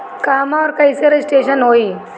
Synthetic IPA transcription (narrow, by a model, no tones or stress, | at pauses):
kamaɔɾkəiseɾsʈeɕənɦoiː